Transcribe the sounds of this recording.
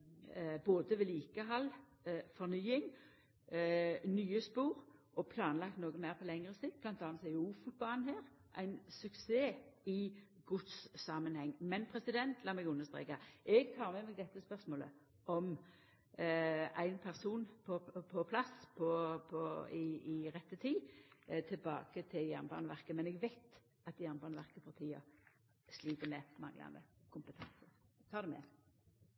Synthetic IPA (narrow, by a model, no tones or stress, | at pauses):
boːd̪əʋɛliːkəɦɑlː | fɔʁnyːɪŋ | nyːəspuːɾ | ɔpʰlɑːnlɑkt̪noːɡəmæɪɾpʰɔlɛŋʁəsiːd̪̚b̥lɑnt̪ʰɑːnt̪sæɪuːfut̪̚bɑnheːʁ | ʔæ̰ɪnsʉkseːɪɡʊt̪sːɑmənhɛŋːmɛnpʰɾɛsɪd̪ɛnt̪ʰlɑːmɛɡʉnːəʁst̪ʁḛːkɑɛɡt̪ʰɑːʁmɛmɛɡ̚d̪ɛt̪ːəspœʁsmoːlə̰ | ɔm | æɪnpʰæʁsuːnpʰɔpʰɔpʰlɑspʰɔpʰɔɪɪʁɛt̪ːət̪ʰiːt̪ʰɪlbɑ̰ːkət̪ʰɪljæʁnbɑ̰ːnʋæʁkəmɛnɛɡʋæɪt̪ | ɑt̪jæʁnbɑːnʋæʁkəpɑʁt̪ʰiːə̰ | sliːt̪əmɛmɑ̰ŋlɑ̰nd̪ə̰kʰʊmpət̪ʰɑnsəʁt̪ʰɑːd̪ɛmɛ̰